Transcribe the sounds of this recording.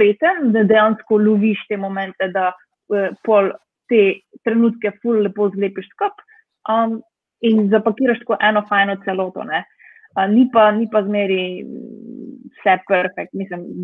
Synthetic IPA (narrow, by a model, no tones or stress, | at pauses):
eːt̪ənd̪ɐd̪ɛjanskɔluʋiʃt̪eːmɔmɛnt̪ɛd̪a | əpɔl | t̪et̪ɾɛnuːt̪kɛfulːɛpoːzleːpiʃskəp | əm | inzapɐkiːɾaʃt̪koːʔɛːnɔfajnɔt̪sɛlɔːt̪ɔ̰nɛ | ənipanipazmeːɾi | sɛpɛɾfɛk̚t̪mislim